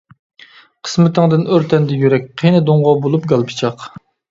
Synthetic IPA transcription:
qʰə̥smɪt̪ʰɪŋd̪ɪnøɾt̪ʰɛnd̪ɛjyɾɛk̚ʲqʰejnɪd̪oɴʁɑbolˠupɡɑlˠpʰɨ̥t͡ʃʰɑq

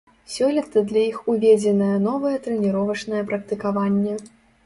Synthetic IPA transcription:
sʲɔlʲit̪ɐd̪lʲɐixuvʲɛd͡zʲɛnɐjɛnɔvɐjɛt̪ɾɛnʲiɾɔvɐt͡ʂnɐjɛpɾɐk̚t̪ɨkavanʲːɛ

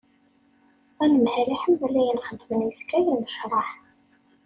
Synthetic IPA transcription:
ænəmhɾiħəmvælːæjənχəd̪mənjəskːæjænəʃɾˤɑħ

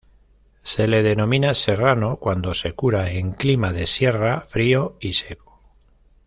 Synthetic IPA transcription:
se̞le̞ð̞e̞nõ̞mĩnase̞rano̞kwand̪o̞se̞kuɾaeŋklimaðe̞sje̞rafɾio̞ise̞ko̥

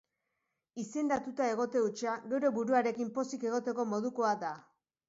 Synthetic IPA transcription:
ise̞nd̪at̪ut̪ae̞ɣ̞o̞t̪e̞ut͡ʃaɡe̞wɾe̞βuɾuaɾe̞kimpo̞sike̞ɣ̞o̞t̪e̞ko̞mo̞ð̞uko̞ad̪a

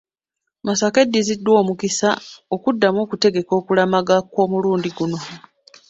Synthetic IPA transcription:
masake̞dːizidːwo̞ːmukisaokudːamo̞ːkute̞ɡe̞ko̞ːkulamaɡakwo̞ːmuluːndiɡuno̞

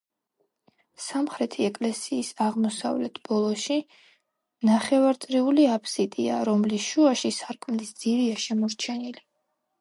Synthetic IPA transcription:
samχɾɛt̪ʰiɛkʼlɛsiːsaʁmɔsa̰vlɛt̪ʰb̥ɔlˠɔʃi | naχɛvaɾt̪sʼɾiuliapʰsit̪ʼia̰ɾɔmlisʃuaʃisaɾkʰʼmlisd̪z̥iɾiaʃɛmɔɾt͡ʃʰɛnili

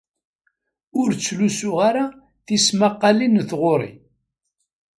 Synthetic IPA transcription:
ʊɾt͡sːlusʊʁaɾa | θismaqːɑlinθʁʊɾˤḭ

